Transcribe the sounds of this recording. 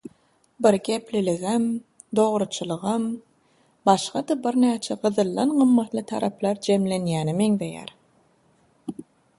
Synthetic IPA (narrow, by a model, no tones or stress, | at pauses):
biɾɡʲe̞pliliɣem | d̪o̞ʁɾut͡ʃʰɯlˠɯʁɑm | bɑʃqɑd̪ɑbiɾnæːt͡ʃʰeɢɯðɯlˠːɑnɢɯmːɑt̪lˠɯt̪ʰɑ̰ɾɑplˠɑɾd͡ʒe̞mle̞njæːnime̞ŋðe̞jæ̰ɾ